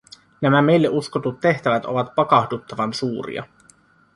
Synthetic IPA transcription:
næmæme̞jlːeʔuskot̪ut̪ːe̞ht̪æʋæt̪o̞ʋɑt̪pɑkɑhdut̪ːɑʋɑnsuːɾḭɑ̰

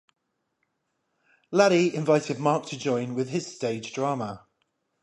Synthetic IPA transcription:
laɾiɪ̃ɱvaɪtʰɪd̚mɑˑk̚tʰəd͡ʒɔ̃ɪ̃nwɪð̥ɪz̥steɪdd͡ʒdɹɑːmə

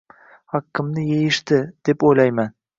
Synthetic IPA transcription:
hɑqʰːɪmnɪjejɪʃt̪ɪd̪̥e̞pojlajman

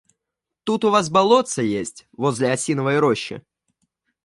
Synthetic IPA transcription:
t̪ut̪ʊvas̬bɐlˠo̞t̪səjesʲtʲvo̞zʲlʲɪɐsʲinəvəɪɾoɕːɪ̰

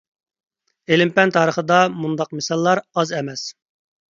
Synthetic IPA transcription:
elɪmpɛnt̪ʰɑːɾəχəd̪ɑmund̪ɑq̚mesɑlˠːɑɾɑzɛmɛs

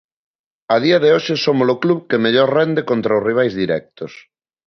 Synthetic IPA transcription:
ɐðiɐðeoʃesomolokluβkemeʎoɾrɛnd̪ekont̪ɾaozriβ̞ajzðiɾɛk̚t̪os

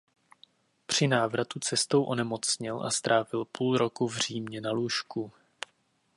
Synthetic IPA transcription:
pr̝̥ɪnaːvɾat̪ut͡sɛst̪owʔo̞nɛmo̞t͡sɲɪlʔa̰st̪ɾaːvɪlpuːlɾo̞kuvr̝iːmɲɛnaluʃku

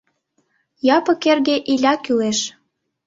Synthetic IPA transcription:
jɑpɤ̆kerɣeʔilʲɑkyleʃ

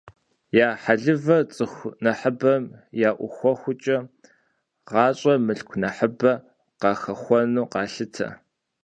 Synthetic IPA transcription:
jaːħaɮɨvɐt͡sʼɨxʷnɐħəbɐmjaːʔʷʊxʷɔxʷʊt͡ʃʼɐ | ʁɑːɕʼɐmɨɬkʷʰnɐħəbɐ | qɑːxɐxʷɔnuːqɑːɬɨtʰɐ̰

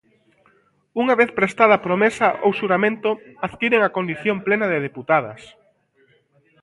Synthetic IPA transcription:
uŋaβeθpɾest̪aðɐapɾomesɐʔo̰wʃuɾamẽnt̪oaðkiɾeŋakond̪iθjomplenɐðɪðeput̪aðɐ̰s

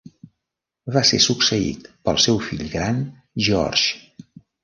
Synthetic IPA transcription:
βasḛsuksəḭt̪pəlˠsɛwfiʎɣɾan | ʒɔ̰rʒ

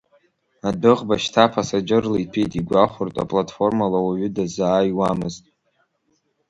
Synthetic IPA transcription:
adɨʁbaʃtʰapʰasad͡ʒɨrlaipʰejtʼiɡʷaχʷʊrtʼa̰pʼlatʼfo̞rmalawaɥʏdazaːjwamɨztʼ

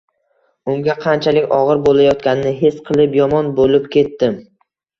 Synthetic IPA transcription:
ʊŋɡʲaqʰɑnt͡ʃʰalɪkʲɒʁɨɾbolˠajɒt̪kʲanɪnɪɦe̞sqʰɨlˠɪpjɒmɒnbolɪpkʲe̞t̪ːɪm

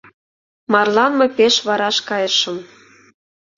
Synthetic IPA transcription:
mɑrlɑnmɤpeʃβɑɾɑʃkɑjəʃə̆m

